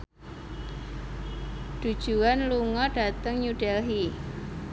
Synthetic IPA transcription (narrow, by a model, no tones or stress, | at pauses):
d̥ṳd̥ʒ̥uanluŋɔɖ̥a̤t̪əŋɲuɖ̥ɛlɦi